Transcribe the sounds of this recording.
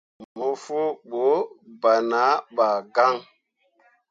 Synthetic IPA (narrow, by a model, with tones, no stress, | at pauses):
mo˨fu˦ɓo˨˦ba˨na˨˦ɓa˨ɡa˦ŋ